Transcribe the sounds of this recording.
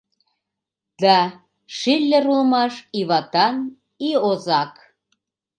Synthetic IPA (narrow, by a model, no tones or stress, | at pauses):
d̪ɑ | ʃilʲːə̆ɾulmɑʃiβɑt̪ɑn | iozɑk